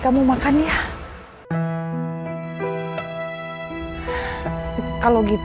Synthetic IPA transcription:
kamumakanja | kaloɡit̪

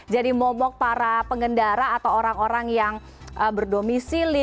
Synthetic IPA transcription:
d͡ʒadimɔmɔk̚paɾapəŋɡəndaɾaːt̪awoɾaŋoɾaŋjaŋ | ʔəbərdomisili

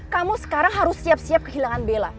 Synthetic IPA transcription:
kamusə̥kaɾaŋɦaɾʊsːiap̚siap̚kəɦilaŋanbela

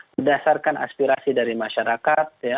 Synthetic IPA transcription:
bərdasarkana̰spiɾasidaɾimaʃaɾakat̪̚ja

